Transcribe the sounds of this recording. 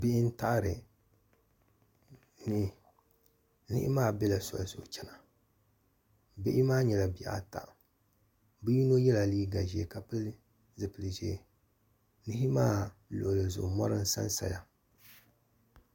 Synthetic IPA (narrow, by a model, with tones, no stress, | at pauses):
bɪ˦ʔɪ˦n̩˦ta˦ʔɾɨ˨ | nɪ˦ | nɪ̰˦ʔɪ̰˦maː˦˨bɛ˦la˨sɔ̰˨lzʊ̰˨ʔʊ˨t͡ʃɛ˦na˨ | bɪ˦ʔɪ˦maː˦ɲɛ˨la˨bi˨a̰˨ta̰˨ʔ | bɨ˦ji˦no˦jɛ˦la˨liː˦ɡa˨ʒe˨ka˨pɨ˦l | zɨ˨pɨ˨lʒḛː˨˦˨ | nɪ˦ɦɪ˦maː˦lo̰˨ʔlɨ˨zʊ̰˨ʔʊ˨mɔ˦ɾɨ˦n˦sa̰˦n˦sa̰˨ja˨